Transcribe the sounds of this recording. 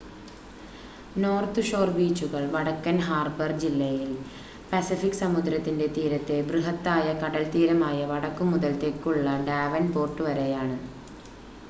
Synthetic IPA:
noːrt̪ɨʂo̞ːrbiːt͡ɕːuɣɐɭʋɐɽɐkːɐnɦaːrbɐrd͡ʑilːɐjil | pɐsifikːsɐmud̪ɾɐt̪ːinde̞t̪iːɾɐt̪ːe̞brɨɦɐt̪ːaːjɐkɐɽɐlt̪iːɾɐmaːjɐʋɐɽɐkːumuðɐlt̪ekːuɭːɐɖaːʋɐnpo̞ːrʈːɨʋɐɾejaːɳɨ

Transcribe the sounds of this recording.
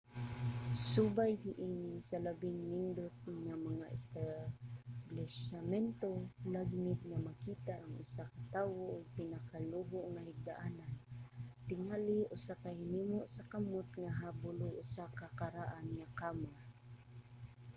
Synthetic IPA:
subajɡɪʔinsalabɪŋmɪnd̪ʊt̪̚ŋamaŋaʔɛst̪a | blɛsamɛnt̪olaɡmɪt̪̚ŋamakiːt̪aʔːŋʊsakat̪aːwoʔʊɡ̚pɪnakaluɦʊʔŋahɪɡ̚d̪aʔanant̪ɪŋalɪʔʊsakahɪnimʊʔsakamʊt̪ŋaɦabʊlʊʔʊsakakaɾaʔanŋakama

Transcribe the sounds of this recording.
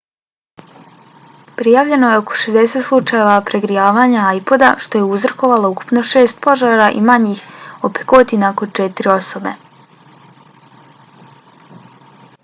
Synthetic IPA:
pɾijaːʋʎe̞no̞jeo̞ko̞̥ʃezd̪eset̪slˠut͡ʃaje̞ʋapɾeɡɾijaːʋaːɲaajpo̞d̪a̰ʃt̪o̞je̞uzrko̞ʋalˠouku̥pno̞ʃe̞ːst̪̚po̞ʒaːɾaʔḭmaɲiːxope̥kot̪inakont͡ʃet̪iɾio̞so̞be̞̰

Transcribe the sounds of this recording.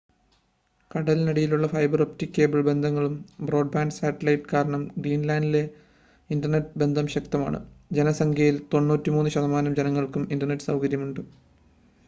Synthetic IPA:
kɐɽɐlinɐɽijiluɭːɐfɐjbɐroptikʲːe̞ːbɨɭbe̞nd̪ʱɐŋːɐɭumbro̞ːɖ̚baːnɖsaːʈːɐlɐjiʈːkaːɾɐɳɐmɡɾiːnlaːndile̞ | indɐrnetːɨbe̞nd̪ʱɐmɕɐk̚t̪ɐma̰ːɳɨ̰d͡ʑe̞nɐsɐŋkʰjɐjilt̪o̞nːuːtːimuːnːuɕɐðɐmaːnɐmd͡ʑenɐŋːɐɭkumindɐrnetːɨsɐwkɐɾjɐmuɳɖɨ

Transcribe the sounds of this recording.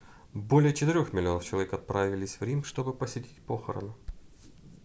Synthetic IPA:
bo̞lʲɪjət͡ɕɪt̪ɨɾʲoxmʲɪlʲɪo̞nəft͡ɕɪlˠɐvʲekɐt̪̚pɾavʲɪlʲɪsʲvɾʲinkʂt̪o̞bɨpəsʲɪtʲi̥t̚ʲpoxə̰ɾə̰nʊ

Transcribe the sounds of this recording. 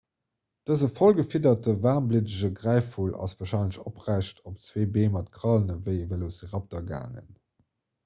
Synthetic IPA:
d̥əzəfolɡəfidɐt̚dəvaːʁmblidəʑəɡʁæɪfulʔɑ̰svaːɐʃɑɪnləɕopʁæɪʃtʰop̚t͡sweːbeːmɑtkʁɑlənəvəɪəvəlozəʁɑp̚dɐɡa̰ːŋə̰n

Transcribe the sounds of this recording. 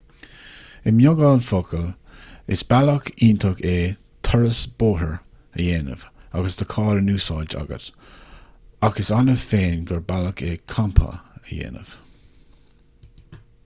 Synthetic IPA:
ɪmjʊɡɑnfokəlɪsb̥aləkʰiːnt̪ʰəkeː | t̪ʰaɹəsb̥oːɦəɹ | əjeːnə̰vaɡəsd̪əkʰɑːɾənuːsɑːd͡ʒa̰ɡə̰t | aɡəsanəfeːnɡəɹbaləkʰeːkʰampʰə̰əjḛːnə̰v̥

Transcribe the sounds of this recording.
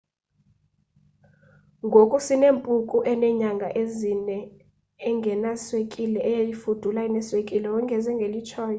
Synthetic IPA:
ŋɡʱokʼusineːmpʼukʼuʔɛnɛɲaŋɡʱaʔezinɛː | ŋɡʱɛnaswekʼilɛʔɛjajifud̥ʱulainɛswekʼilɛwɔŋɡʱɛzɛŋɡʱelit͡ʃʰɔːjɔ

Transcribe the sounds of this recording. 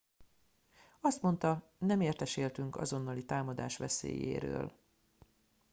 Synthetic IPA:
ɒst̪mo̞nt̪ɒ | nɛmeːrt̪ɛʃeːlt̪yŋkɒ̰zo̞nːɒlit̪aːmɒd̪a̰ːʃʋɛsḛːjḛːɾø̰ːl

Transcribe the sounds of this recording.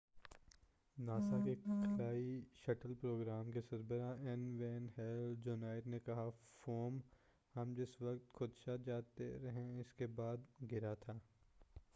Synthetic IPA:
naːsakekʰɐlaːiʃɐʈəlpɾoːɡɾaːmkesɐɾbəɾaɛnʋeːnɦɛld͡ʒoːnaːɪɾnekɐɦafoːm | hɐmd͡ʒɪsʋɐkt̪xʰʊd̪ʃad͡ʒaːt̪ḛɾɐɦẽɪskebaːd̪ɡɪɾat̪ʰaː

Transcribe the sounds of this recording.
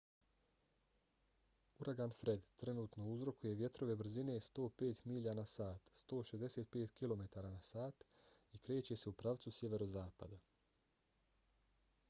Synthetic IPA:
uɾʔaɡanfɾe̞d̪t̪ɾe̞nuːt̪no̞uzɾo̞kuje̞ʋje̞t̪ɾo̞ʋe̞br̩zine̞ːst̪o̞ːpe̞ːt̪miʎanasaːt̪st̪o̞ːʃezd̪e̞se̞ːt̪̚pe̞ːt̪kilo̞me̞t̪aːɾaːnasaːt̪ikɾe̞ːt͡ɕe̞se̞upɾaʋt̪susje̞ʋe̞ɾozaːpa̰d̪a

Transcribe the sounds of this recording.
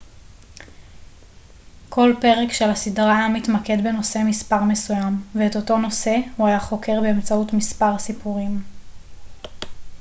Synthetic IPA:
kʰo̞lpe̞ʁekʃelasidʁaamitmake̞dbeno̞se̞mispaʁme̞sujamveːto̞to̞no̞se̞huajaχo̞ke̞ʁbeːmt͡sautmispaʁsipuʁim

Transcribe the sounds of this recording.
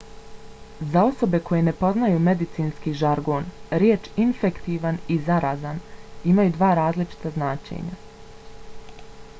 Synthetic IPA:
zao̞so̞be̞ko̞je̞ne̞po̞znajuːme̞d̪it̪siːnskiːʒaɾɡo̞ːnɾjeːt͡ʃinfekt̪iːʋanizaɾaːzanimajud̪ʋaːɾaːzlit͡ʃi̥t̪aznaːt͡ʃḛɲa̰

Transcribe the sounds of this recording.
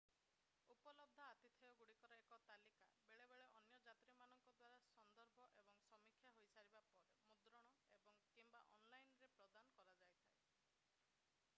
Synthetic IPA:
upɔlɔb̚d̪ʱɔat̪it̪ʰiɔɡuɽikɔɾɔekɔt̪alika̰beɭebeɭeʔɔnjɔd͡ʒat̪ɾimanɔŋkɔd̪waɾasɔnd̪ɔɾbʱɔʔebɔŋsɔmikʰjaɦojsaɾibapɔɾemud̪ɾɔɽ̃ɔebɔŋkimba̰ʔɔnlajnɾepɾɔd̪anɔkɔɾad͡ʒajt̪ʰae

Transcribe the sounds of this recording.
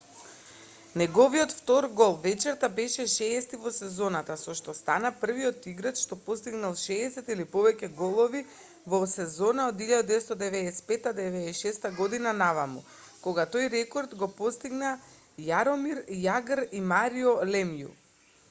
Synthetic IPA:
nɛɡɔviɔt̪ft̪ɔɾɡɔlˠvɛt͡ʃɛɾt̪abɛʃɛʃɛːst̪ivɔsɛzɔnat̪asɔʃt̪ɔst̪anapr̩vijɔt̪iɡɾat̪ʃt̪ɔpost̪iɡnalˠʃɛːsɛt̪ilipɔvɛcɛɡɔlˠɔvi | vɔsɛzɔnaod̪iʎad̪ad̪ɛɛst̪od̪ɛvɛɛsɛ̥pɛt̪ːad̪ɛvɛʃɛst̪aɡɔd̪inanavamu | koɡat̪ojɾɛkɔɾd̪ɡɔpɔst̪iɡna | jaɾɔmiɾjaɡɾimaɾiɔlɛmjṵ

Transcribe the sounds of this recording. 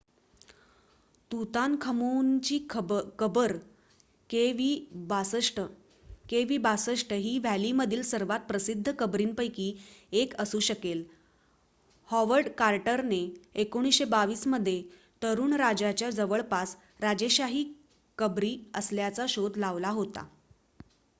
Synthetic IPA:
t̪ut̪ankʰəmunt͡ɕiːkəbəɾ | keʋiːbasəʂʈə | keʋiːbasəʂʈəɦiːʋæliməd̪ʱiːlsəɾʋat̪̚pɾəsid̪ʱːəkəbɾiːnpəjkiːekəsuːɕəkel | hɔʋəɾɖkaɾʈəɾneekoɽ̃isɕebaʋiːsməd̪ʱːje | t̪əɾuːɳɾad͡ʑat͡ɕjad͡zəʋəɭpas | ɾad͡ʑeɕaɦiː | kəbɾiːəsljat͡saɕod̪ʱlaʋlaɦot̪a̰

